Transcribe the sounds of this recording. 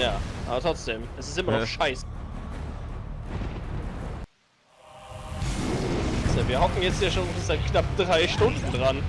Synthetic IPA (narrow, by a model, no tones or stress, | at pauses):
jaːʔaːbɐtʁɔt͡sd̥eːmʔɛsɪstʔɪmɐnɔχʃaɪsə | z̥oviːɐɦɔkŋ̩jɛt͡sthiːɐʃoːnɛsɪsz̥aɪtkʰnap̚d̥ʁaɪʃtʊndn̩dʁan